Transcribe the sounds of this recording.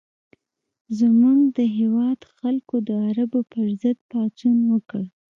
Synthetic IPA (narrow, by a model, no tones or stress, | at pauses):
zəmuŋɡd̪əɦewɑd̪xalkod̪əaɾabopəɾzəd̪̚pɑt͡sunwəkəɽ